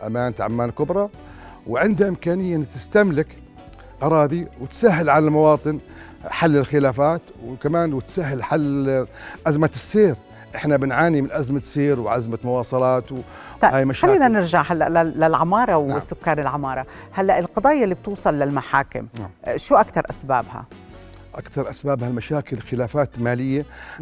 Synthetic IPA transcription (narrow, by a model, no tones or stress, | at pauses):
ʔamaːnt̪ʕa̰mːaːnkʊbɾˤɑ | wʕɪnd̪haʔɪmkaːnɪjːaʔnːt̪ɪst̪amlɪk | ʔɑɾˤɑːd̪iwɪt̪saɦːɪlʕanalmɑwɑːt̪ˤɨn | ħalːɪlxɪlaːfaːt̪wkamaːnwɪt̪saɦːɪlħalː | ʔazmasːiːɾ | ʔɪħnabɪnʕaːnimɪnʔazmasiːɾwʕazmamʊwɑːsˤɑlɑːt̪w | haːjmaʃalːiːnanɪɾʒaʕhalːa̰ʔlalɪlʕamɑːɾˤɑwsːʊkːaːnɪlʕamɑːɾˤɑ | halːaʔɪlqɑd̪ˤɑːjːalːib̚t̪uːsˤɑlːalmaħaːkɪ̰mʃuːʔakt̪ɑɾˤʔasba̰ːbha̰ | ʔa̰kt̪ɑɾˤʔasbaːbhalmaʃaːkɪlxɪlaːfaːt̪maːlɪjːa